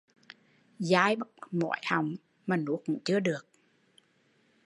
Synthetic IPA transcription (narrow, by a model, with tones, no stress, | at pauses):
zaː˧˦jɓa˦˥t̚mɔ̰˧˩jha˨˩wŋ͡m | maː˨˩nṵ˧˥kʊ̰˧˥ŋ͡mt͡ɕɨ˧əɗɨ˨˩ək̚